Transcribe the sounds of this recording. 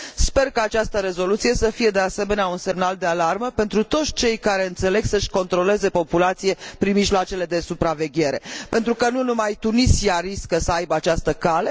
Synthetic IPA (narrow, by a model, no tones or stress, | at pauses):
spe̞rkaːt͡ʃast̪əɾe̞zo̞lut̪sije̞səfije̞d̪e̞ase̞me̞neaunse̞mnald̪e̞alarməpe̞nt̪ɾut̪o̞t̪sʲt͡ʃe̞jkaɾeɨnt̪se̞le̞ɡsəʃʲko̞nt̪ɾo̞le̞ze̞po̞pulat̪sije̞pɾinmiʒloat͡ʃe̞le̞d̪e̞supɾave̞ɡʲe̞ɾe̞pe̞nt̪ɾukənunumajt̪unisiaɾiskəsəajbəat͡ʃast̪əkale̞